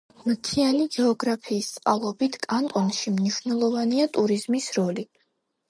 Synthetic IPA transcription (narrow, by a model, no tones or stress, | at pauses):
mt̪sʰianiɡɛɔɡɾapʰiːst̪sʼqʼalˠɔbit̪ʰkʼant̪ʼɔnʃimniʃvnɛlˠɔvaniat̪ʼuɾizmisɾɔli